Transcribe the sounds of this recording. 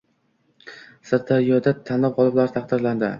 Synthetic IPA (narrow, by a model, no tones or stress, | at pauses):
saɾd̪aɾijɒd̪at̪ʰanlap̚qʰɒlˠɪblaɾt̪ʰɑqd̪ɪɾland̪ɪ